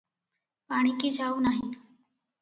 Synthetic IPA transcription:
aɽ̃ikiːd͡ʒʱaunaɦi

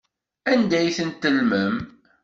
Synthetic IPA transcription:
ænd̪æjθənt̪ːəlməm

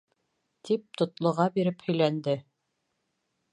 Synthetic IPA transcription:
t̪ip̚t̪ŏt̪lˠŏʁɑbiɾɘphɵ̆jlænd̪ɘ

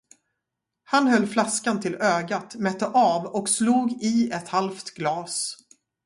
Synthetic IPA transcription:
hanɦœlːflaskant̪ʰɪløːɡat̪mɛt̪ːəʔɑːvɔksluːɡɪɛt̪halft̪ɡlɑːs

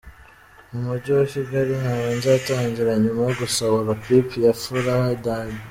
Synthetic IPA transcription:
omuɾɟiwaciɡaɾiŋaɾaːnzeataːɲɟiɾaɲumajoɡusoβoɾapipijafuɾahadadi

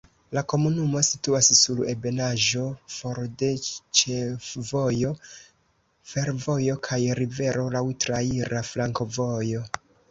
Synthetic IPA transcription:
lako̞munumo̞situassule̞be̞naʒo̞fo̞ɾde̞t͡ʃefvo̞jo̞ | fe̞ɾvo̞jo̞kʰajɾive̞ɾo̞lawtɾaiɾaflaŋko̞vo̞jo̞

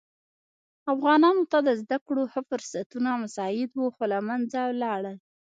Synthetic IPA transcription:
afɣɑnɑnot̪ad̪əzd̪akɽohəfʊɾsat̪unamasɑɪd̪wuxolamand͡zalɑɽəl

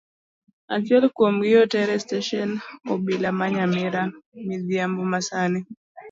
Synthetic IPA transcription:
a̰t͡ʃɛlkwomɡɪɔtɛɾɛsteʃɔnɔbilamaɲamɪɾamɪðjambɔmasani

